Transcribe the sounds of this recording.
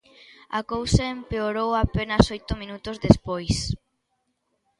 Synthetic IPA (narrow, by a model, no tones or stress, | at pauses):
ɐ̰kowsaempeoɾowapenɐsojt̪ʊmĩnut̪ozðespojs